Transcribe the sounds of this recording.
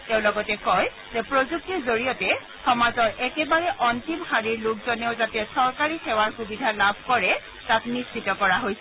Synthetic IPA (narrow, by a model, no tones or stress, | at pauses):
tɛʊ̃lɔɡɔtɛkɔj | zɛpɹozuk̚tiɹzoɹijɔtɛ | xɔmazɔɹɛkɛbaɹɛʔɔntimhaɹiɹlʊk̚zɔneʊzatɛsɔɹkaɹixɛwaɹxubidʱalabʱkɔɹɛ | taknistʰitɔkɔɹaɦojsɛ